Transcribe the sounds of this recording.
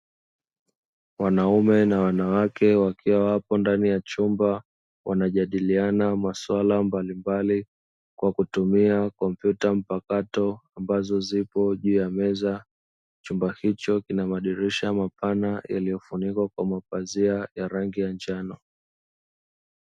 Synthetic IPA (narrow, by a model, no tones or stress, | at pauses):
wanaumɛnawanawakɛwakʰiwawapɔndanijat͡ʃumba | wʔanaʄaɗilianamaswalambalimbali | kwakutumiakɔm̩pjutam̩pakatɔambazɔzipɔʄuːjamɛza | t͡ʃumbahit͡ʃɔkinamaɗiɾiʃamapanaja̰lijɔfunikwakwamapaziajaɾaŋɡijand͡ʒanɔ